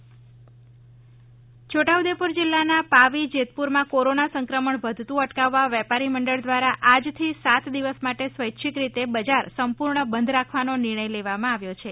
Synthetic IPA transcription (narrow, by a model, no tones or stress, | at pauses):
t͡ʃʰoʈawd̪epuɾd͡ʒɪlːanapaʋid͡ʒet̪puɾmãkoɾonasəŋkɾəməɳʋəd̪ʱt̪ũəʈkaʋːaʋɛpaɾiməɳɖəɭd̪ʋaɾaʔad͡ʒt̪ʰisat̪d̪iʋəsmaʈesʋəjtːʃʰikɾit̪ebəd͡ʒaɾsəmpuɾɳəbənd̪ʱɾakʰʋanonɪɾɳ̃əjleʋamãaʋjot͡ʃʰe